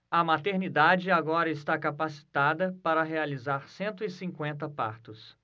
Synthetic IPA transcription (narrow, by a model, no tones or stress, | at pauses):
ɐmat̪eɾnid̪ad͡ʒɪaɡɔɾɐɪst̪akapasi̥t̪ad̪ɐpaɾɐɦealizaɾsẽnt̪ʊɪsĩŋkwẽnt̪̬ɐpa̰ɾt̪ʊs